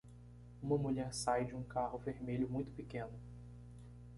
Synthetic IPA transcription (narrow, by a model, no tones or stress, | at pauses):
ũmɐmuʎɛɾsajd͡ʒɪũkaɦʊveɾmeʎʊmũj̃t̪ʊ̥pikẽnʊ